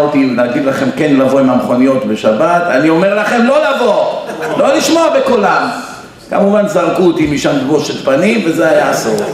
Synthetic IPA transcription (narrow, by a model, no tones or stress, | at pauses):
ot̪inaɡid̪laχe̞mkenlavo̞imamχo̞nijo̞t̪beʃabat̪anio̞me̞ʁlaχe̞mlo̞lavo̞lo̞liʃmoabekulam | kamuvanzaʁkut̪imiʃamdboʃet̪panimve̞zeajaːso̞